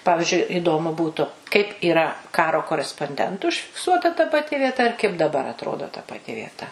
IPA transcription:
ˈpɑːʋʲɪʒʲʊɪ ɪˈdoːmʊ ˈbuːtʊ kɐɪp iːˈrɐ ˈkɑːroː koːrʲɛspoːnʲˈdʲɛntʊ ʊʃʲfʲɪkˈsuɔtɐ tɐ pɐˈtʲɪ ʋʲiɛˈtɐ ɪr kɐɪp dɐˈbɐr ɐtˈroːdoː tɐ pɐˈtʲɪ ʋʲiɛˈtɐ

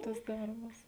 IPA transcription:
tɐs ˈdɐrbɐs

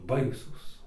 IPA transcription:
ˈbɐɪsuːs

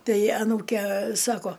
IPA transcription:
ˈtɐɪ ɐˈnuːkʲɛ ˈsɑːkoː

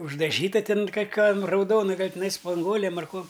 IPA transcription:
ʊʒdɐˈʒʲiːtɐ ˈtʲɪn kɐˈkʲɛm rɐʊˈdoːnɐ ˈɡɐlʲ tʲɪˈnɐɪ spɐŋˈɡuɔlʲeːm ɐr ˈkuɔm

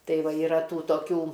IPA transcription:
ˈtɐɪ ˈʋɐ iːˈrɐ ˈtuː toːˈkʲuː

